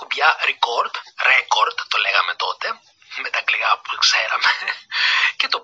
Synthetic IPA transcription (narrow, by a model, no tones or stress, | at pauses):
upʝɐɾikoɾd̪ɾekoɾd̪t̪ːoleɣɐme̞t̪o̞t̪e̞ | met̪ɐkliɣɐpu̥kseɾɐ̰me | cet̪o